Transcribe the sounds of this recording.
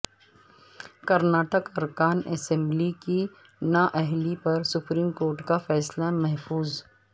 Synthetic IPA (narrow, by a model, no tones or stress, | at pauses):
kɐɾnaːʈəkɐɾkaːnɛːsɛ̃mbliki | naʔɛɦlipɐɾsʊpɾiːmkoːɾʈkafɛːslamɛɦfuːz